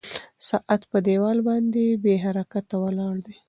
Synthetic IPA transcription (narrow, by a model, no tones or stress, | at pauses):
sɑʔat̪pəd̪ewɑlbɑnd̪ebeɦaɾakat̪ːawəlɑɽd̪e